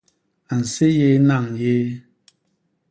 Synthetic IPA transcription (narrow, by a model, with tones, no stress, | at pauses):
a˨n̩˨se˦je˦na˦˨ŋje˦